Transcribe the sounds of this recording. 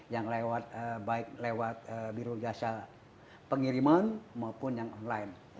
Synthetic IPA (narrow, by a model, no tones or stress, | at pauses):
jaŋlewat̪̚əbaɪk̚lewat̪̚əbiɾud͡ʒiasa | pəŋiɾimanmaupʊnjaŋɔnlain